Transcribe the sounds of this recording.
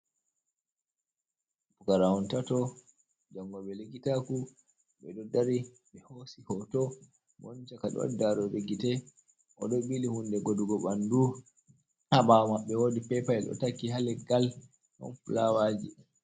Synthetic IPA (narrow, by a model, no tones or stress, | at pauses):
pukaɾahɔntatɔ | d͡ʒaŋɡɔɓɛlikitaku | ɓɛdɔdaɾi | ɓɛhosihɔtɔ | mɔ̰nt͡ʃakaɗɔ̰wa̰daɾɔɓeɡitɛ | ʔɔ̰ɗɔɓilihundɛɡoduɡɔɓandu | haɓamaɓːɛwoːdipɛpaɛɗɔ̰takːihalɛɡal | ʔɔ̰nfulawad͡ʒḭ